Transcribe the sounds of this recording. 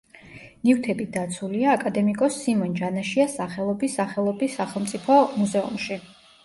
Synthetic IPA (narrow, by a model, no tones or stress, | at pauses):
nift̪ʰɛbit̪̚d̪at̪sʰuliaːkʼad̪ɛmikʼɔsːimɔnd͡ʒanaʃiasaχɛlˠɔbisːaχɛlˠɔbisːaχɛlˠmt̪sʼipʰɔmuzɛṵmʃi